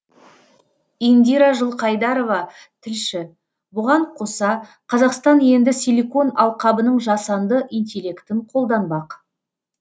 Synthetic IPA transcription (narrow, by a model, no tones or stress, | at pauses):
ind̪iɾɑʒəlˠqʰɑjd̪ɑɾo̞vɑ | t̪ʰɪlʃɪ | bʊʁɑɴqʰo̞sɑ | qʰɑzɑqst̪ɑnje̞nd̪ɪsʲelʲiko̞nɑlˠqɑbənəɴʒɑsɑnd̪əʔint̪ʲelʲːe̞kt̪ɪɴqʰo̞lˠd̪ɑnbɑq